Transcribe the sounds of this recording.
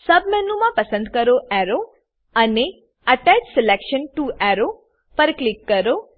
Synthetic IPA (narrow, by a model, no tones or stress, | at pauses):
səbmɛnumãpəsə̃nd̪kəɾoʔɛɾo | əne | əʈɛt͡ʃsɪlekʃənʈuʔɛɾo | pəɾklikːəɾo